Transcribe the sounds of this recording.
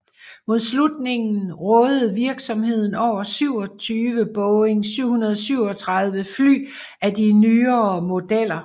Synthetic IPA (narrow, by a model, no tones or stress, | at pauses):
mo̝ð̞ˠslud̥ne̝ŋn̩ʁɔðˠð̩ˠʋiɐɡ̥sɒ̽mɦe̝ð̞̰ˠn̩ɒʊ̰ɐsyʊ̰ɒ̽t͡sʰyːʋəb̥ɔʊeŋsyʊ̰hunɐðˠɒ̽syʊ̰ɒ̽t͡sʰʁɑ̈ð̞ˠʋəfly̰ː | æd̥inyːɐmo̝d̥el̰ɐ